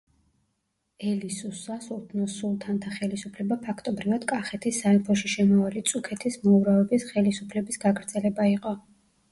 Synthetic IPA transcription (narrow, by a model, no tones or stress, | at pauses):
ɛlisusasult̪ʰnɔsulˠt̪ʰant̪ʰaχɛlisupʰlɛbapʰakʰt̪ʼɔbɾivad̪̥kʼaχɛt̪ʰisːaɛpʰɔʃiʃɛmɔalit̪sʼukʰɛt̪ʰismɔuɾavɛbisχɛlisupʰlɛbisɡaɡɾd̪z̥ɛlɛbaiqʼɔ